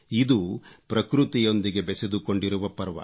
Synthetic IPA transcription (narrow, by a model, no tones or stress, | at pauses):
id̪upɾɐkɾut̪ijo̞nd̪iɡe̞bɛsed̪uko̞ɳɖiɾuʋɐpɐɾʋɐ̰